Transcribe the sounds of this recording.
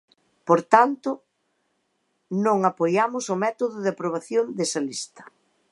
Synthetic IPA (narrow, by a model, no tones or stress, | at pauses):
poɾt̪ant̪ʊ | nõŋapojamʊsʊmɛt̪oðʊðeapɾoβ̞aθjond̪esɐlist̪ɐ̥